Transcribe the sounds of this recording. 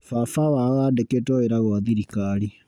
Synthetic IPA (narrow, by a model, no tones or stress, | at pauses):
fafawaɔandeketɔeɾaɣɔwaðiɾikaɾi